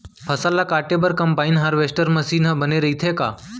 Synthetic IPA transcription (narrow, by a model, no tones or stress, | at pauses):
pʰɐsalːakaːʈebəɾkɐ̃mpaːinɦaːɾʋesʈəɾməsiːnɦəbəneɾɐɦit̪ʰeka̰ː